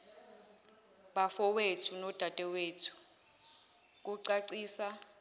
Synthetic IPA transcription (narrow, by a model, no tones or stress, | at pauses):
ɓafɔwetʰunɔd̥ʱatʼɛweːtʰu̥ | k̬ʼuǀaǀiːsa